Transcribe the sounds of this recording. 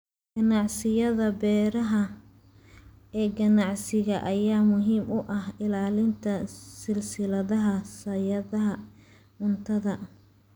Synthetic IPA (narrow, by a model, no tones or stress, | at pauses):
ɡ̥ɐnɑʕsɪjɐðɐbɛːɾɐɦɐ | ɛːɡɐnɑʕsɪɣɐʔɐjaːmʊɦiːmʔʊʔɐhɪlaːlɪnt̪ʰɐsɪlsɪlɐðɐɦɐsɐjɐðɐɦɐ | mʊnt̪ʰɐðɐ